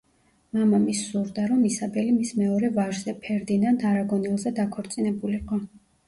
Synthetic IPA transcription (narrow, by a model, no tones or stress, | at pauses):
mamamisːuɾd̪aɾɔmisabɛlimismɛɔɾɛvaɾzɛpʰɛɾd̪inand̪ʰaɾaɡɔnilˠzɛd̪akʰɔɾt̪sʼinɛbuliqʼɔ